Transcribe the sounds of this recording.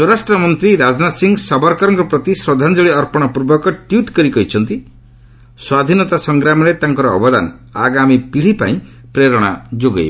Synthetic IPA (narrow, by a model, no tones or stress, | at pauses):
swɔɾasʈɾɔmɔnt̪ɾiɾad͡ʒnat̪siŋɡsɔbɔɾkɔɾɔŋkɔpɾɔt̪isɾɔd̪ʱand͡ʒɔɭiɔɾpɔɽ̃ɔpuɾbɔkɔʈjuʈkɔɾikɔɦit͡ʃʰɔnt̪i | swad̪ʱinɔt̪asɔŋɡɾamɔɾet̪aŋkɔɾɔːbɔd̪a̰na̰ɡamipiɭ̤ipa̰ĩ | pɾeɾɔɽ̃a̰d͡ʒoɡa̰j